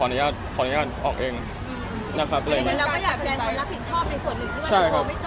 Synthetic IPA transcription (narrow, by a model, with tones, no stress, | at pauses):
ɔ˧a˧nu˦jaː˥˩t̪̚pʰɔ˧anu˦jaː˥˩t̪̚ʔɔː˨˩k̚ʔeː˧ŋ | na˦˥kʰa˦˥pʰleː˧˩lːkɔː˥˩jaː˨˩k̚ɛː˧nʰa˧˥˧ɾa˦˥p̚ʰi˨˩t̪̚t͡ɕʰɔː˥˩p̚na˧jsu˨˩ənːɯ˨˩t̪ʰɯ˥˩˨t͡ɕʰa˥˨˥jkʰa˧˦˥ma˥˩t͡ɕ